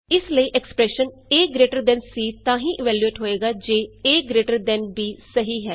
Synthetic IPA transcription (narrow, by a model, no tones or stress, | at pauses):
ɪsləiːʔɛksə̥pɾɛːʃən | eːɡɾeːʈəɾd̪ɛ̃nsiːt̪ãːɦĩːʔɪʋɛːljueːʈɦoːeːɡaːd͡ʒeːeːɡɾeːʈəɾd̪ɛ̃nbiːsəɦiːɦɛː